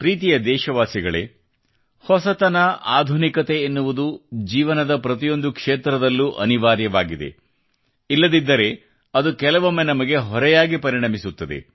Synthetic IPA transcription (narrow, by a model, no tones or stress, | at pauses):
pɾiːt̪ijɐd̪ɛːʃɐʋaːsiɡɐɭe̞̰ | hɔsɐt̪ɐnɐʔaːd̪ʱunikɐt̪e̞ːnːuʋud̪ud͡ʒiːʋɐnɐd̪ɐpɾɐt̪̬ijo̞nd̪ukʂeːt̪ɾɐd̪ɐlːuʔɐ̰niʋaːɾjɐʋaːɡid̪e̞̰ | ilːɐd̪id̪ːɐɾe̞ | ɐd̪ukɛlɐʋɐmːenɐmɐɡe̞ɦɔɾɛjaːɡipɐɾiɳɐmisut̪ːɐd̪ḛ